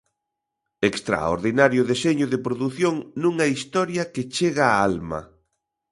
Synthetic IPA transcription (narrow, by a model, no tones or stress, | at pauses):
ekst̪ɾa̰o̰ɾðinaɾjʊðeseɲʊðepɾoðuθjoŋnũŋɐist̪ɔɾjɐket͡ʃeɣaːalmɐ̰